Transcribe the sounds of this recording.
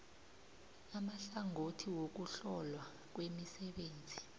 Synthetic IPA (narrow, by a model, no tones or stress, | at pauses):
amaɬaŋʱotʰiwok̬uɬɔlwa | k̬wemisɛɓeːnd͡zʱi